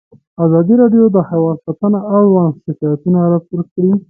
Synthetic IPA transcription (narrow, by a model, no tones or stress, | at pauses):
azɑd̪iɾɑɖjod̪əhawɑd̪sat̪anaawɑnsɪkɑjat̪unaɾap̚uɾkɽi